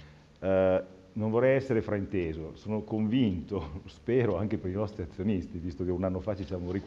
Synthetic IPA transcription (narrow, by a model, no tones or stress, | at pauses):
nõɱvorːɛjɛsːeɾefɾaint̪eːzosoːnokoɱvint̪ospeːɾoaŋk̟epeɾinɔst̪ɾiat̪sːjonist̪ivist̪ok̟eunanːofat͡ʃisjaːmoɾik